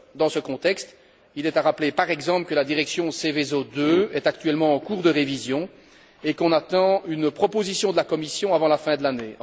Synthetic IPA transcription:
d̪ɑ̃səkɔ̃t̪ɛkst̪ | ilɛt̪aʁaplepaʁɛɡzɑ̃pləkəlad̪iʁɛksjɔ̃sevezod̪øɛt̪ak̚t̪ɥɛlmɑ̃ːkuːʁd̪əʁevizjɔ̃ | ekɔ̃nat̪ɑ̃ynpχɔpozisjɔ̃d̪əlakɔmisjɔ̃avɑ̃lafɛ̃d̪əlanẽ

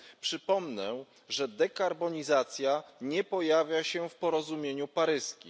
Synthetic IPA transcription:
pʂɘpɔmnɛ | ʐɛd̪ɛkaɾbɔɲizat̪sʲjaɲɛpɔjavʲjaɕɛfpɔɾɔzumʲjeɲupaɾɘskʲḭ

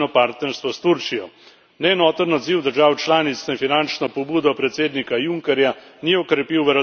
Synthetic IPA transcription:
nɔpaɾt̪nɛɾst̪ʋɔst̪uɾt͡ʃijɔ | nɛːnɔːt̪ənɔd̪ziwd̪əɾʒaːwt͡ʃlaːnit̪snɛfinant͡ʃnɔpɔbuːd̪ɔpɾɛt̪seːd̪nikajuŋkɛɾjaniɔkɾɛpiwʋəɾ

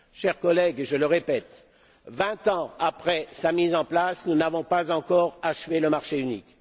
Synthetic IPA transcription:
ʃɛʁkɔlɛɡʒələʁepɛt̪ | vɛ̃t̪ɑ̃apχɛsamizɑ̃plasnunavɔ̃pazɑ̃kɔʁaʃveləmaʁʃeynik

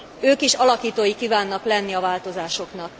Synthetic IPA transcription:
øːkiʃɒlɒkiːt̪oːjikiːvaːnːɒklɛnːiɒvaːlt̪o̞zaːʃo̞knɒk

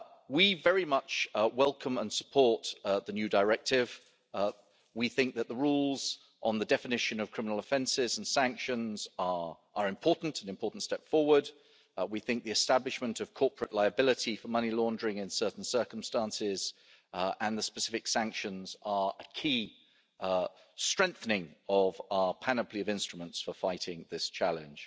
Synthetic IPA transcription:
wivɛɹimʌt͡ʃwɛlˠkʰə̃mə̃nsə̥pʰɔɹt̪̚ðənjʉdəɹɛk̚tɪv | wiθɪ̃ŋk̚ðət̪̚ðəɹuːlˠz̥ | ʔə̃nðədɛfɪnɪʃɨ̃nʌv̥kʰɹ̥ɪ̃mənl̩ˠəfɛ̃nsɪzə̃n̩sæ̃ŋkʃə̃nzə | ʔəɹɨ̃mpʰɔɹʔn̩tʰə̃nɨ̃mpʰɔˑɹˑʔn̩tstɛpfɔwə˞d̚ | wiθɪ̃ŋk̚ðiɨstablɨʃmə̃ntʌv̥kʰɔˑpʰɹəʔlaɪəbɪlɪtifəmʌnilɔ̃ndəɹɪ̃ŋɪ̃nsɜˑ˞ʔn̩sɜˑ˞kə̃m̩stɑ̃nsɪz̥ | ə̃nðəspəsɪfɪksæ̃ŋkʃə̃nzə˞əkʰiː | stɹ̥ɛ̃ŋk̚θənɪ̃ŋəvaʊəpʰanəpʰliəvɪ̃nstɹ̥əmə̃ntsfəfaɪtɪ̃ŋðɪst͡ʃʰalɪ̃n̥ʒ̥

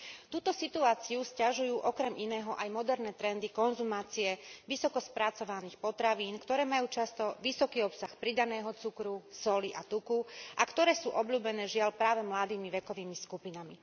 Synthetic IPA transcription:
t̪uːt̪ɔsit̪uaːt͡siuscaʒujuːʔɔkɾɛminɛːɦɔʔajmɔd̪ɛɾnɛːt̪ɾɛnd̪ikɔnzumaːt͡siɛʋisɔkɔspɾat͡sɔʋaniːxpɔt̪ɾaʋiːnkt̪ɔɾɛːmajuːt͡ʃast̪ɔʋisɔkiːɔpsaxpɾid̪anɛːɦɔt͡sukɾusɔliʔat̪ukuʔakt̪ɔɾɛːsuːʔɔbʎuːbɛnɛːʒɪaʎpɾaːʋɛmlad̪iːmiʋɛkɔʋiːmiskupinami

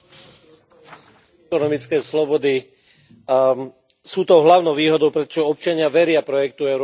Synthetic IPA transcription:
ɔnɔmit͡skɛːslɔbɔd̪i | suːt̪ɔʊɦlaʊnɔʊʋiːɦɔd̪ɔʊpɾɛt̪ɔ̥ʒɛɔp̚t͡ʃaɲɪaʋɛɾɪapɾɔjɛkt̪uɛʊɾ

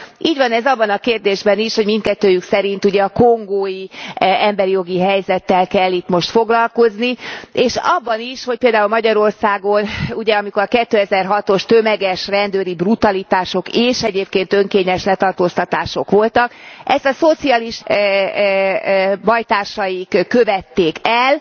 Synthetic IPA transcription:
iːɟʋɒnɛzɒbːɒnɒkeːrd̪eːʒbɛniʃho̞ɟmint̪̚kɛt̪ːøːjyksɛɾin̪t̪uɟɛɒkoŋɡoːjiɛmbɛɾijo̞ɡiɦɛjzɛt̪ːɛlkɛlːit̪mo̞ʃt̪fo̞ɡlɒlko̞znieːʃɒ̰bːɒniʃho̞c̚peːld̪aːulmɒɟɒɾo̞rsaːɡo̞nuɟɛɒmiko̞ɾɒkɛt̪ːøːɛzɛrɦɒt̪o̞ʃt̪ø̞mɛɡɛʃrɛnd̪øːɾibrut̪ɒlit̪aːʃo̞keːʃɛɟeːpkeːnt̪ø̞ŋkeːɲɛʃlɛt̪ɒrt̪oːst̪ɒt̪aːʃo̞kʋo̞lt̪ɒkɛst̪ɒso̞t̪siaːliʃ | bɒjt̪aːrʃɒjikkːøvɛt̪ːeːkɛl

